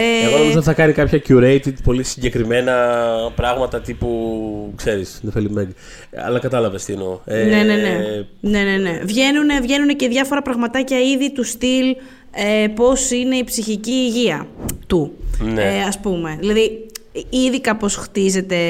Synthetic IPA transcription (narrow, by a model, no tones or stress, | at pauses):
eeosɐθɐkɐnikɐpçɐcuɾejt̪id̪po̞lisiɲɟe̞kɾime̞nɐpɾɐɣmɐt̪ɐt̪ipukse̞ɾisnefelimeɡ | ɐ̰lɐkɐt̪ɐlɐvest̪inoene̞ne̞ne̞ne̞ne̞ne̞vʝe̞nune̞vʝe̞nunece̞ðʝɐfo̞ɾɐpɾɐɣmɐt̪ɐcɐiðit̪ust̪il | epo̞sine̞ipsiçiciːʝiɐt̪uneɐspume̞ðilɐði | iðikɐpo̞sxt̪ize̞t̪e̞